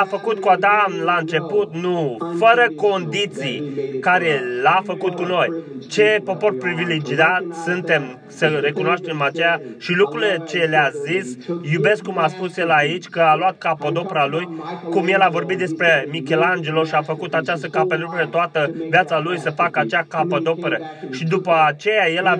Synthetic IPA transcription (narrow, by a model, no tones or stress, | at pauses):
afəkut̪kuad̪amlaɨnt͡ʃe̞put̪nufəɾəko̞nd̪it̪sikaɾe̞lafəkut̪̚kuno̞jt͡ʃe̞po̞po̞rpɾiviled͡ʒiat̪sɨnt̪e̞m | səre̞kunoaʃt̪e̞mat͡ʃejaʃilukɾulet͡ʃe̞leazisjube̞skːumaspusje̞lait͡ʃʲkəalwat̪̚kapəd̪o̞peɾalujkumje̞lavo̞rbit̪̚d̪e̞spɾe̞mikʲe̞land͡ʒeloʃiafəkut̪at͡ʃast̪əkapəd̪upeɾet̪oat̪əvjat̪salujsəfakəat͡ʃeakapəd̪o̞peɾəʃid̪upəat͡ʃe̞jaje̞la